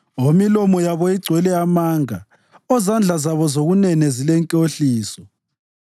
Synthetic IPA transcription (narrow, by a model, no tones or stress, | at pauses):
omilɔmɔjaβɔiɡ͡ǀʱwɛlɛamaːŋa | ɔzand͡ɮʱazaβɔzoɣunɛnɛzilɛŋkʼoɬiːsɔ